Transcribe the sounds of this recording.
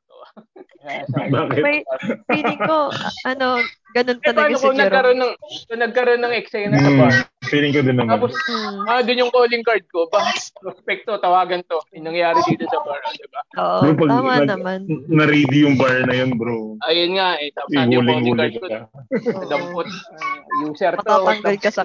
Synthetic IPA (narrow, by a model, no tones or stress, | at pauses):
ʔojasbaːkɪt̪iɪŋkoɐnoɡɐnontɛɐnanokonɐkɐɾo̞nːɐŋkonɐɡ̚kɐɾonːɐŋɛksɛnapiːɾɪŋkod̪ɪnːɐmaːposmɐd̪ʊnjʊŋkoːlɪŋkɐɹd̪̚ko̞bakɪsospɛk̚t̪ot̪ɐwaːɡɐnt̪o̞ɪnɐŋjaːɾɪd̪iːt̪osɐbaɹɐd̪ɪbaʔo̰ʔobɾopɐɡmaɐnɐmannɐɾiːd̪ɪjʊŋbɐɹnɐjonbɾoʔɐjonŋaʔɛt̪amɪhʊlɪŋɡuːlaɪkkoɐd̪ɐmpot̪̚juːsɛɾtɐaɐŋɡɐlkɐsɐ